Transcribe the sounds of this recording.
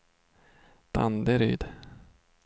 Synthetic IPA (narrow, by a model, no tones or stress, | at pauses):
d̪̥a̰nd̪əɾy̰ːd̪